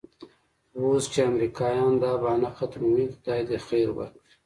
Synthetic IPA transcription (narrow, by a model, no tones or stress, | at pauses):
wost͡ʃeamɾikɑːjɑːnd̪ɑːbɑːnaxat̪mwikd̪ɑːjd̪exeːɾwa̰ki